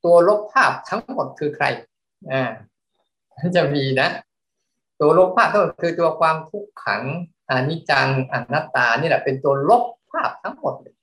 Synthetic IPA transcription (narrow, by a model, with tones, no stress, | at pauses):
t̪u˧ɐlo˦˥pʰːaː˥˩p̚t̪ʰa˦˥ŋŋmo˨˩t̪̚kʰɯː˧kʰɾa̰˧j | ʔaː˧˩ | na˥˩nt͡ɕa˧˩miː˧na˦˥ | t̪u˧ɐlo˦˥˩p̚ʰaː˥˩t̪ʰmo˨˩t̪̚kʰɯː˧t̪u˧ɐkʰwaː˧mt̪ʰu˦˥˩kʰːa̰˩˦ŋ | ʔa˧˩ni˦˥˩t͡ɕa˧ŋʔa˧˩nːaː˦˥˩t̪aː˧niː˥˩lɛ˧˩pe˧nt̪u˧ɐlo˦˥p̚ʰːaː˥˩p̚t̪ʰa˦˥ŋmo˨˩t̪̚lɤː˧˩j